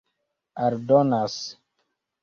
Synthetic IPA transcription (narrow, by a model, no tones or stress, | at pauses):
aɾdonas